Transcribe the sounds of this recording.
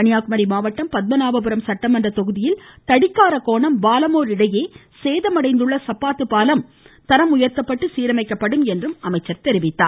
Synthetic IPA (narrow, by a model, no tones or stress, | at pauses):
ɐɳɪjaːkɯmɐɾimaːʋɐʈːɐmpɐd̪̚bɐnaːʋɐpɯɾɐmsɐʈːɐmɛndrɐt̪ɔɣɯðɪjɪlt̪ɐɽɪkːaːɾɐkoːɳɐmʋaːlɐmoːɾɪɽɐjeː | seːðɐmɐɽɐɪnd̪ɯɭːɐsɐpːaːt̪ːɯpaːlɐm | t̪ɐɾɐmʊjɐɾt̪ɐpːɐʈːɯsiːɾɐmɐɪkːɐpːɐɽɯmɛndrɯmɐmɐɪt͡ʃːɐɾt̪ɛɾɪʋɪt̪ːa̰ː